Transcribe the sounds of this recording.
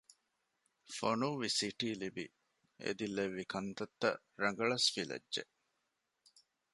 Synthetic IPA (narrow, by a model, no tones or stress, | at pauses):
fonuʋʋisiʈiːlibi | ḛd̪ileʋːikʰɐnt̪ɐt̪ːɐ̰ | ɾɐŋɡɐɭɐsfilɐ̰dːḛʔ